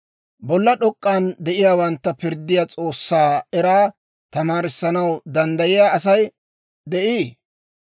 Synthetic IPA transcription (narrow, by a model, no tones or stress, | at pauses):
bɔlːɐɗɔkʼːaːnd̪ɛʔɪjaːwɐnt̪ːɐpɪɾd̪ɪjat͡sʼo̞ːsːaːɛɾaː | t̪ɐmaːɾɪsːɐnɐwd̪ɐnd̪ɐjɪjaːɐsɐj | d̪ɛʔiː